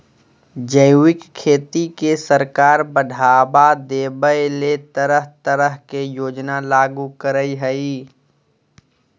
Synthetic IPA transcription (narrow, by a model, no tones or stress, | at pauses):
d͡ʒəjuɪkkʰːeːt̪ikesəɾkaːɾbəɖʱaːbad̪eːbəjlet̪əɾəɦt̪əɾəɦkejoːd͡ʒnalaːɡukəɾəiɦəi